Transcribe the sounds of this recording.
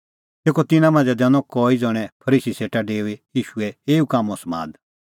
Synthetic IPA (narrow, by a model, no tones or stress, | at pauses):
t̪eːkɔt̪ɪnãmãːnd͡zɛd̪ɛ̃nɔ̃kɔːid͡zɔːɽ̃ɛpʰɐɾiːsiseːʈaɖeːuejiːʃuɛeːukaːmɔ̃smã̰ːd̪